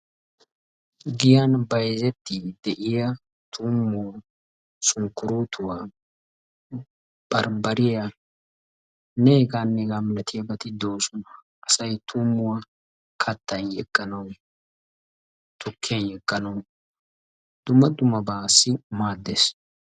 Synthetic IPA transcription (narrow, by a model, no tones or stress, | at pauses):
ɡɪjanbɐjzɛt̪ːɪd̪ɛʔɪjɐ | t̪ʰuːmːʊw | sʊːkːʊɾuːt̪ʰʊwa | b̥ɐɾbɐɾɪjɐ | nɛɡanːɛɡamlɐt̪ɪjɐbɐt̪ɪd̪o̞ːsʊnɐ | ɐsɐjt̪ʰuːmːʊwa | kʰɐt̪ːɐnjɛkʼːɐnɐw | t̪ʰʊkʰːɪjnjɛkʼːɐnɐw | d̪̥ʊmːɐd̪ʊmɐbaːsːɪmaːd̪ːes